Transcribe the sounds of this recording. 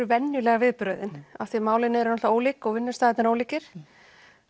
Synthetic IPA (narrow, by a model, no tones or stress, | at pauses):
ʏvɛnjʏlɛɣavɪðpɾœːɥðɪna̰fθimaːwlɪnːɪɛɾʏnɔht̪aoːwliːkɔɣvɪnːɪ̥st̪aːɪt̪nɪɾoːwliːcɪɾ̥